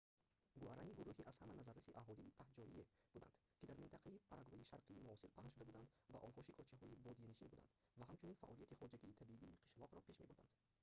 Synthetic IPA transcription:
ɡuaɾaniɡuɾuhiʔaz̥hamanazaɾasiʔaɦɔliːt̪ʰahd͡ʒɔḭeb̥ud̪a̰nd̪̥kʲid̪aɾmint̪ʰaqʰaipʰaɾʔaɡvaiʃaɾqʰiːmuɔsiɾpʰaʁt̪ʃud̪abud̪and̪va̰ʔɔnhɔʃikʰɔt͡ʃʰaɦɔibɔd̪iiniʃinbud̪a̰nd̪vaɦamt͡ʃʰuninfa̰ʔɔlijat̪ʰiχɔd͡ʒaɡiːt̪ʰabibiːqʰi̥ʃlɔʁɾɔpʰe̞ʃme̞buɾd̪a̰nd̪̥

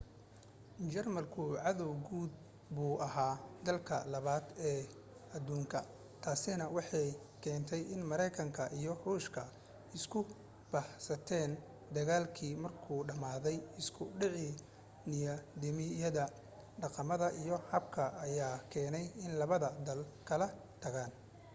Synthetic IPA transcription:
t͡ʃɛrmɐlkʰʊʕɑðɔwɡuːd̪̚ | buːʔɐɦaːd̪ɐlkʰɐ̰lɐβaːd̪ɛː | ɐd̪uːŋkʰɐ | t̪ʰaːsɪnɐwɑħɑj | kʰɛːnt̪ʰɛjɪnmɐɾɛjkʰɐŋkʰɐʔijɞhuːʃkʰɐ | ɪskʰʊ | b̥aħsɐt̪ʰɛːn | d̪ɐɣaːlkʰiːmɐrkʰuːɖɐmaːðɛjɪskʰʊɖɪʕɪ | nɪjɐd̪ɪmɪjɐðɐ | ɖɑqɑmɐðɐʔijɞħɑb̚kʰɐʔɐjaːkʰɛːnɛjɪnlɐβɐðɐd̪ɐlkʰɐlɐ | t̪ʰɐɣaːn

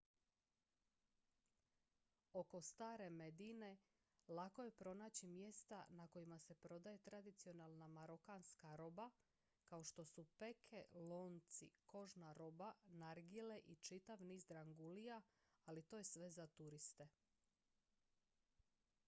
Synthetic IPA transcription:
o̞ko̞st̪aːɾe̞me̞d̪ine̞ | lˠako̞je̞pɾo̞naːt͡ɕimje̞st̪anakojimase̞pɾo̞d̪aje̞t̪ɾad̪it̪sio̞nalˠnamaɾokaːnskaɾo̞ba | kao̞ʃt̪o̞supe̞kʰelo̞ːnt̪sḭko̞ʒnaɾo̞banaɾɡile̞ʔit͡ʃit̪aʋniːzd̪ɾaŋɡulijaː | lit̪o̞ːjesʋe̞zat̪uɾist̪e̞

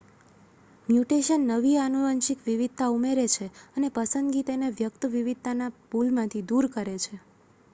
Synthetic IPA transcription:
mjuʈeʃənːəʋianuʋənʃikʋiʋid̪̚t̪aumeɾet͡ʃʰeənepəsənd̪ɡit̪eneʋjək̚t̪əʋiʋid̪̚t̪anapulmãt̪ʰid̪uɾkəɾet͡ʃʰe

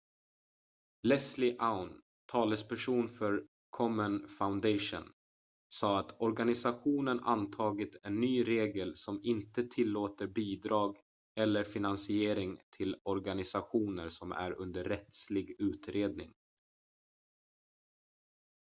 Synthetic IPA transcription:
lɛslɪʔaʊn | t̪ʰɑːləspʰæʂuːnfœɾ | kʰɔmːənfaʊnd̪ɛɪʂʊ̰n | sɑːat̪ɔɾɡanɪsaɧuːnənʔa̰nt̪ʰɑːɡɪt̪ʰɛnːyːɾeːɡəlsɔmɪnt̪ət̪ʰɪlːoːt̪əɾbiːd̪ɾɑːɡ | ɛlːəɾfɪnansɪeːɾɪŋt̪ʰɪlɔɾɡanɪsaɧuːnəɾsɔmæ̰ɾɵ̰nd̪əɾːɛt̪slɪɡʉ̟ːt̪ɾeːd̪̚nɪ̰ŋ

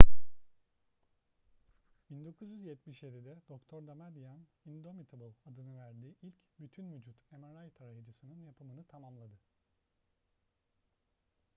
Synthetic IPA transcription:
b̥ind̪o̞kʰuzjyzjɛt̪̚miʃje̞d̪id̪ɛd̪̥o̞kt̪ʰoɾd̪amad̪ijanind̪o̞mit̪ʰbɯlˠad̪ɯnɯvæɾd̪iːʔilʲcbyt̪ʰynvyd͡ʒut̪emaɾajt̪ʰaɾajad͡ʒɯsɯnɯnjapʰɯmɯnɯt̪ʰamamlˠad̪ɯ

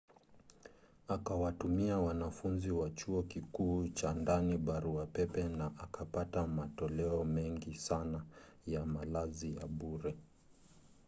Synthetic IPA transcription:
akawatumiawanafunziwat͡ʃuɔkikuːt͡ʃandaniɓaɾuapɛpɛnaʔakapatamatɔlɛɔmɛŋɡisana | jamalazija̰ɓuɾɛ

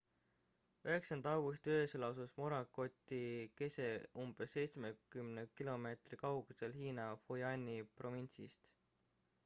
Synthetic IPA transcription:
yɦe̞ksɑnd̪ɑɑwɡ̥ust̪øeselɑwsusmoɾɑko̞t̪ːˑike̞se̞umb̥esːe̞jt̪smekymnekilo̞me̞ːt̪rikɑwɡ̥use̞lhiːnɑfojɑnʲipro̞vinsḭst̪

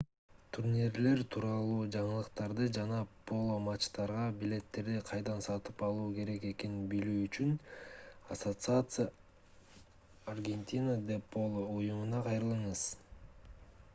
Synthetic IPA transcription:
t̪ʰuɾnʲiɾle̞ɾt̪ʰuːɾɑlˠuːd͡ʒɑɴɯlˠɯqt̪ɑɾd̪ɯd͡ʒɑnɑpʰo̞lˠomɑt͡ʃt̪ɑɾʁɑbʲilʲe̞t̪ːe̞ɾd̪iqʰɑjd̪ɑnsɑt̪ɯpɑlˠuːke̞ɾe̞ke̞ke̞ninbilyːyt͡ʃyn | asot̪sɨat̪sɨja | rɡʲe̞nʲt̪ʲinəd̪epʰːo̞lˠoujumunɑqʰɑjɾɯlˠɯɴɯz̥

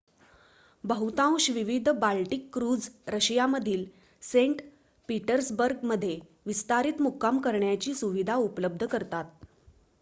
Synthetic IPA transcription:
bəɦut̪ãw̃ɕʋiʋid̪ʱbalʈikːɾuːd͡zɾəɕjaməd̪ʱiːl | seɳʈ | piʈəɾsbəɾɡ̚məd̪ʱːje | ʋist̪aɾiːt̪mukːamkəɾɳjat͡ɕiːsuʋid̪ʱaupləb̚d̪ʱəkəɾt̪at̪̚

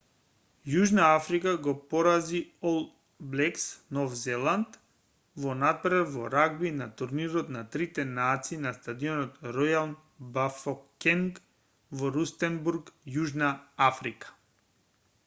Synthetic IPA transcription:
juʒnaafɾikaɡɔpɔɾaziɔlˠ | blɛksnɔvzɛlˠant̪ | vɔnat̪̚pɾɛvvɔɾaɡbinat̪uɾniɾɔt̪nat̪ɾit̪ɛnat̪siːnast̪ad̪iɔnɔt̪ɾɔjaln | bafɔkɛŋk | vɔɾust̪ɛnbuɾkjuʒnaafɾikḁ

